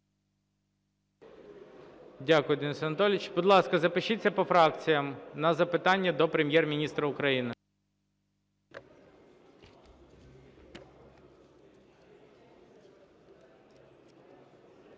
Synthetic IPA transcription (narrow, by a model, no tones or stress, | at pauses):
dʲakʊjʊd̪ɪnɪsɐnɐt̪ɔlʲɪt͡ʃbid̪lˠɑskɐzɐpɪʃit͡sʲːɐpɔfɾɑkt͡sʲijɐmnɐzɐpɪt̪ɑnʲːɐd̪ɔpɾemʲjɛrmʲinʲist̪ɾɐʊkɾɐjinɪ